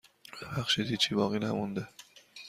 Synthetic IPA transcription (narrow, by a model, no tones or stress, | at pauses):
bæxʃid̪it͡ʃʰiːbɒːɣinæmund̪e